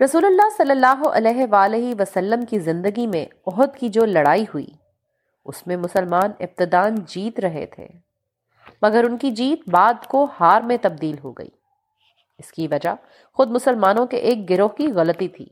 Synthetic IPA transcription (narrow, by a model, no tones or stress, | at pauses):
ɾɐsuːlʊlːasɐlːəlːaːɦoʔɐ̰lɛːɦʋaːleɦiʋɐsɐlːəmkizɪ̃nd̪əɡimẽɔɦʊd̪kid͡ʒoːlɐɽaːiɦuḭː | ʊ̰smẽmʊsəlmaːnɪb̚t̪ɪd̪aːnd͡ʒiːt̪ɾɐɦḛt̪ʰḛː | mɐɡəɾʊnkid͡ʒiːt̪̚baːd̪kohaːɾmẽt̪ɐb̚d̪iːlɦo̰ɡɐ̰ḭː | ɪskiʋɐd͡ʒa | xʊd̪̚mʊsəlmaːnõkeʔeːk̚ɡɪɾoɦkiɣɐlət̪it̪ʰḭː